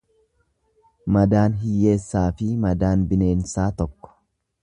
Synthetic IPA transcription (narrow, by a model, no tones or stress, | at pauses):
mɐd̪aːnɦɪjːe̞ːsːaːfɪmɐd̪aːnbɪne̞ːnsaːt̪ɔkːɔ̥